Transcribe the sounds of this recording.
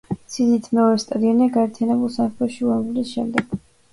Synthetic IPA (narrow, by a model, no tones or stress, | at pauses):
sid̪it̪ʰmɛɔɾɛst̪ʼad̪iɔniaɡaɛɾt̪ʰijanɛbulˠsamχʰɛʃiuɛmɡulisʃɛ̰md̪ɛɡ̥